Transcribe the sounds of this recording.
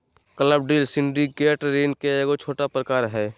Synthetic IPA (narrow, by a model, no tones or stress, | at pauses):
kələb̚ɖiːlsɪ̃ɳɖiɡeːʈɾeːnkeeːɡot͡ʃʰoːʈapɾəkaːɾɦɛː